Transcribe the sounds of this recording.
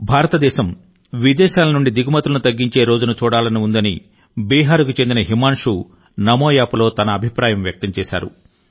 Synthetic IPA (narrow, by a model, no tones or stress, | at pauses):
bʱaːɾɐt̪ɐd̪ɛːʃɐm | ʋid̪ɛːʃaːlɐnuɳɖid̪iɡumɐt̪ulɐnut̪ɐɡːiɲt͡ʃe̞ːɾo̞ːd͡ʒunɐt͡ʃuːɽaːlɐniund̪ɐni | biːɦaːɾukut͡ʃe̞nd̪inɐɦimaːnʂu | nɐmoːjaːpulo̞ːt̪ɐnɐːbʱipɾaːjɐmjɐk̚t̪ɐmt͡ʃɛːʃa̰ːɾṵ